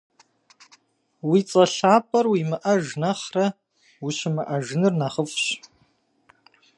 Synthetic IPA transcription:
wiːt͡sʼɐɬaːpʰʼɐrwimɨʔɐʒnɐχrɐ | wuʃɪmɨʔɐʒɨnɨrnaːχəfʼɕ

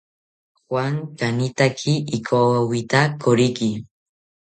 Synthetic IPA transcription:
xwaŋkanit̪akʰiːkʰowit̪akʰoɾiki

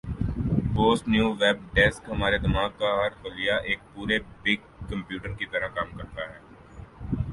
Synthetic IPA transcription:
boːsʈnjuːʋɛːb̚ɖɛːskɦɐmaːɾed̪ɪmaːɡ̚kaɦɐɾxʊlɪjaʔeːk̚puːɾebɪɡ | kɐ̃mpjuːʈəɾkit̪ɐɾəɦkaːmkɐɾt̪aɦɛː

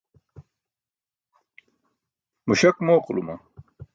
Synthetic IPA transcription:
muɕɐkmoːqlṵmɐ

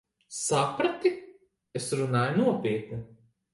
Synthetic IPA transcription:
sapɾat̪i | esɾunaːjunuɔpʲiɛt̪ni

